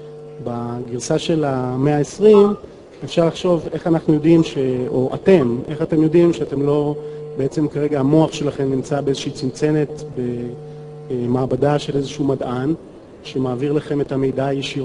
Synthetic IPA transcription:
baɡiʁsaʃe̞lame̞aesʁim | efʃaʁlaχʃo̞ve̞χanaχnujo̞dimʃeo̞ʔa̰te̞mʔe̞χate̞mjo̞dimʃeate̞mlo̞beet͡se̞mkaʁe̞ɡaamo̞aχʃe̞laχe̞mnimt͡sabeezeʃiit͡simt͡se̞ne̞tbe̞ | maːbadaʃe̞lezeʃumadʔan | ʃe̞maːviʁlaχe̞me̞tame̞jdaːjeʃiʁ

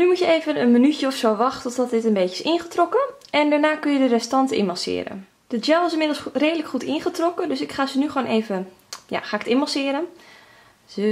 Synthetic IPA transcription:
nymutjəeːvənənmənytjəɔfsoːʋɑxtɔtɔtɪtənbeːcəɪsɪnχətrɔkə | ɛndaɹnaːkønjədərɛstɑntɪ̰mɑsɪ̰ːɾə̰n | d̥əd͡ʒɛlˠɪsɪnmɪdl̩ˠsreːdələkχutɪnχətrɔkədøsɪkχaːzənyχʋoːnʔeːvə | ja̰xaːɪkə̥tɪnmɑsɪːəɾən | zə

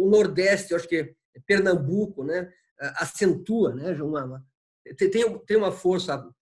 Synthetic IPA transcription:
ʊnoɾd̪ɛst̪ɪewaʃʊ̥kɪ | ɛpeɾnɐ̃mbukʊnɛ | aʔasẽnt̪uɐnɛʒaũmɐ̃ɐ | t̪ẽt̪ẽj̃ũt̪ẽj̃ũmɐfoɾsɐ

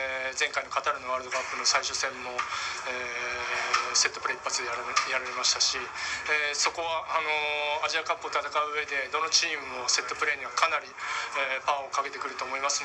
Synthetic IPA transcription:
zẽ̞ŋkaino̞kat̪aɾɯ̟no̞aɾɯd̪oɡapːɯno̞saiɕosẽ̞mːo̞eː | se̞t̪ːo̞pɯ̟ɾe̞ipːat͡sɨd̪eaɾjaɾaɾemaɕi̥t̪aɕieso̞ko̞βaʔano̞aʑiakãmpo̞ːt̪at̪akaɯ̟ːe̞d̪e̞d̪o̞no̞t͡ɕiːmɯ̟mo̞se̞t̪ːo̞pɯ̟ɾe̞ːɲ̟iβakanaɾʲiepãɰ̃o̞kaɡe̞t̪e̞kɯ̟ɾɯ̟t̪o̞ːmo̞imasɨ

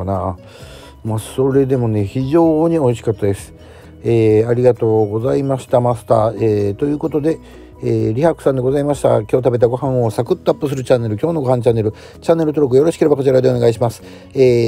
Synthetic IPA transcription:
na | maso̞ɾe̞d̪e̞mo̞ne̞çiʑo̞ːɲ̟io̞iɕi̥kat̪ːad̪e̞sɨ̥ | eːaɾʲiɡat̪o̞ːɡo̞zaimaɕi̥t̪amasɨ̥t̪a̰ːet̪o̞jɯ̟ːko̞t̪o̞d̪e̞ | eːɾʲihakɯ̟̥sãnd̪e̞ɡo̞zaimaɕi̥t̪a̰kʲo̞ːt̪abe̞t̪aɡo̞ɦãɰ̃o̞sakɯ̟t̪ːoapːɯ̟s̬ɨɾɯ̟t͡ɕanːe̞ɾɯ̟kʲo̞ːnoɡo̞ɦhãnt͡ɕanːe̞ɾɯ̟ | t͡ɕanːe̞ɾɯ̟t̪o̞ɾok̬ɯjo̞ɾo̞ɕi̥ke̞ɾe̞bakot͡ɕiɾad̪ene̞ɡaiɕ̬imasɨ̥ | eː

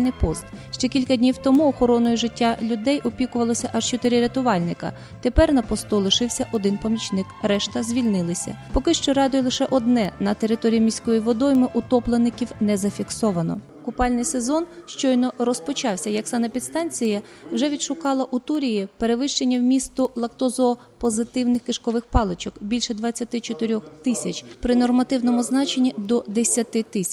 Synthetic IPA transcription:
nɪpɔst̪ʃt͡ʃɛkʲilʲkɐdʲnʲiwt̪ɔmuɔxɔɾɔnɔjʊʒɪtʲːalʲʊd̪ɛjʔɔpʲikʊʋɐlˠɔsʲɐʔɑʒt͡ʃɔt̪ɪɾʲiɾʲɐt̪ʊʋɑlʲnɪkɐ̰ | t̪e̞pɛrnɐpɔst̪ulˠɪʃɪwsʲɐʔɔd̪ɪnpɔmʲit͡ʃnɪkɾɛʃt̪ɐzʲʋʲilʲnɪlˠɪsʲɐ̰pɔkɪʃt͡ʃɔɾɑd̪ʊjlˠɪʃɛʔɔd̪nɛnɐt̪e̞ɾɪt̪ɔɾʲijimʲisʲkɔjiʋɔd̪ɔjmɪʔʊt̪ɔplˠenɪkʲiwnɛzɐfʲiksɔʋɐnɔ̰ | kʊpɑlʲnɪjse̞zɔnʃt͡ʃɔjnɔrɔspɔt͡ʃɑwsʲɐjɐksɑnɐpʲid̪st̪ɑnʲt͡sʲijɐwʒɛʋʲid̪ʃʊkɑlˠɐʔut̪uɾʲijipe̞ɾe̞ʋɪʃt͡ʃenʲːɐwmʲist̪ʊlˠɐkt̪ɔzɔː | pɔzɪt̪ɪwnɪxkɪʃkɔʋɪxpɑlˠet͡ʃɔkbʲilʲʃɛd̪ʋɐt͡sʲːɐt̪ɪt͡ʃɔt̪ɪɾʲɔxt̪ɪsʲɐt͡ʃpɾɪnɔrmɐt̪ɪwnɔmʊznɑt͡ʃenʲːid̪ɔd̪esʲɐt̪ɪt̪ɪsʲ

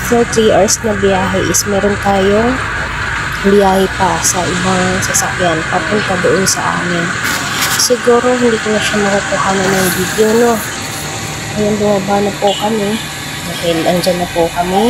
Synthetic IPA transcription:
sɐt̪ɾiːʔɐɹsnɐbɪjaːɦɛʔɪsmɛːɾont̪aːjo̞ŋ | bɪjaːhɛpɐsɐʔɪbaŋsɐsɐkjanpɐpʊnt̪ad̪ʊʔonsɐ̰ʔa̰ːmɪn | sɪɡuːɾo̞ɦɪnd̪iːkʊnɐʃamɐkʊkʊhaːnɐnːɐŋbid̪eono̞ | ʔɐjonbʊmaːbanɐpʊkɐmɛ | d̪aːhɪlʔɐŋd͡ʒanːɐpʊkɐmɪ

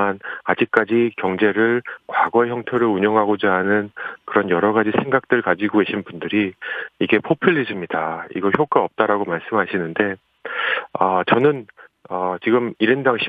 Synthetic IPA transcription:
anad͡ʑik̚k͈ad͡ʑikjʌŋd͡ʑe̞ɾɯɭkwaɡʌejʌŋtʰeɾɯuɲʌŋɦaɡod͡ʑaːnɯnkɯɾʌnjʌɾʌɡad͡ʑisʰeŋɡak̚t͈ɯɭkad͡ʑiɡoeɕʰinbundɯɾiːɡe̞pʰopʰiʎːid͡ʑɯmɲidaḭɡʌçjok͈aʌp̚t͈aɾaɡomaɭs͈ɯmɦaɕʰinɯnde̞ | ʌt͡ɕʌnɯnʌt͡ɕiɡɯmiɾendaŋɕʰ

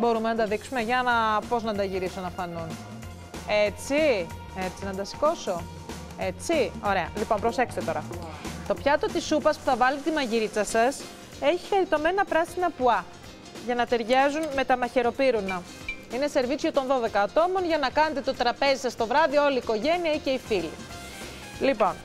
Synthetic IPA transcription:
bo̞ɾumenɐnd̪ɐðiksume̞ʝɐnɐpo̞znɐnd̪ɐʝiɾisonɐfɐnun | e̞t͡si | e̞t͡sinɐnd̪ɐsi̥ko̞so̞ | e̞t͡sio̞ɾe̞ɐ̰lipo̞npɾo̞sekst̪et̪o̞ɾɐ̰t̪o̞pçɐt̪o̞t̪isupɐspu̥θɐvɐlit̪t̪imɐʝiɾit͡sɐsɐs | e̞çi̥xeɾit̪o̞me̞nɐpɾɐsiinɐpuɐ | ʝɐnɐt̪e̞ɾʝɐzunme̞t̪ɐmɐçe̞ɾo̞piɾunɐ | ine̞se̞ɾvit͡sot̪o̞nðo̞ðe̞kɐːt̪o̞mo̞nʝɐnɐkɐne̞t̪e̞t̪o̞t̪ɾɐpe̞zisɐst̪o̞vɾɐðio̞liːko̞ʝe̞niɐice̞ifilḭ | lipo̞n

